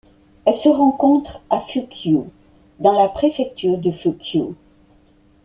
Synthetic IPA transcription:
ɛlsəʁɑ̃kɔ̃t̪χafykʰjo | d̪ɑ̃lapχefɛk̚t̪yʁd̪əfykʰjo

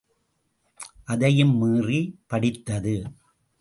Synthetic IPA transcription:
ʔɐðɐjɯmːɯːripɐɽɪt̪ːɐðɯ

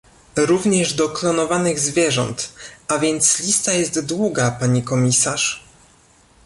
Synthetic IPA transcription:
ɾuvɲɛʐd̪ɔklɔnɔvanɘɣzvʲjɛʐɔ̰nt̪ʔavʲjɛnt̪slʲist̪ajɛst̪d̪wuɡapaɲikɔmʲisaʂ

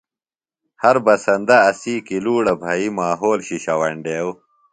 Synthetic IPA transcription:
hɐɾbɐsɐnd̪ɐːsiːkiluːɽɐbʱaimaːɦoːlɕiɕɐwɐɳɖeːw

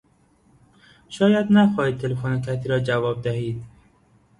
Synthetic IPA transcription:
ʃɒːjæd̪næxɒːhiːt̪̚t̪ʰːelefonekʰæt̪ʰiːɾɒːd͡ʒævɒːb̚d̪æhiːd̪

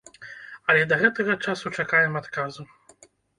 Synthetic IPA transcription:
ɐlʲɛd̪ɐɣɛt̪ɐɣɐt͡ʂasut͡ʂakajɛmat̪kazu

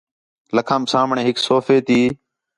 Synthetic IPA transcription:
ləkʰãːmsaːmɳẽːɦɪksoːfeːt̪iː

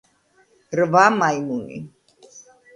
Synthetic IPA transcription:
ɾvamajmunḭ

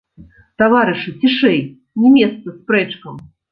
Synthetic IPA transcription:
t̪avaɾɨʂɨt͡sʲiʂɛj | nʲɛmʲɛt̪st̪sɐspɾɛt͡ʂkɐm

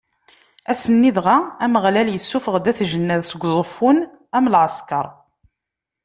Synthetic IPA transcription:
æsənːiðʁaæməʁlæljəsːufəʁd̪æθʒənːæðsəɡʷzˤəfːʊn | æmlʕəskɑɾˤ

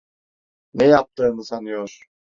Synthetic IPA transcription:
nɛjap̚t̪ʰɯːnɯsanɯjoɾ̥

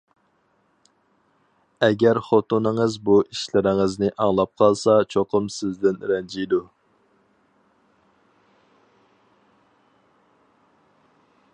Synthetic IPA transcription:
ɛɡʲɛɾχot̪unɨŋɨzbuʔiʃlɪɾɪŋɨznɪʔɑŋlˠɑp̚qʰɑlˠsɑt͡ʃʰoqʰʊmsɪzd̪ɪnɾɛnd͡ʒijd̪u

